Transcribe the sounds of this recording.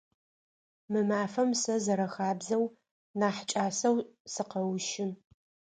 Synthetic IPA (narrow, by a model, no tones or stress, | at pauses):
mɨmaːfɐmsɐzɐɾɐxaːbzɐw | naːħt͡ʃʼaːsɐwsɨqɐwʃɪn